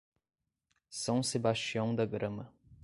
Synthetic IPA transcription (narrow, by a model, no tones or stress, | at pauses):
sɐ̃w̃sebaʃt͡ʃiɐ̃w̃d̪ɐɡɾɐ̃mɐ